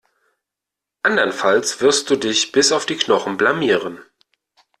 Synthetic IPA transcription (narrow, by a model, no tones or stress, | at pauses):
ʔandɐnfalsv̥ɪɐst̚d̥uːdɪçb̥ɪsaʊfd̥iːknɔχn̩blamiːʁən